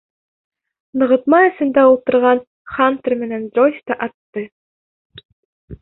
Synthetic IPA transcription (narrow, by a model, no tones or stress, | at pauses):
nɤ̆ʁɤ̆t̪mɑɘ̆sɘ̆nd̪æulˠt̪ɤ̆ɾʁɑn | χant̪ɘrmɘ̆nænd̪ɾojst̪ɑʔɑt̪ːɤ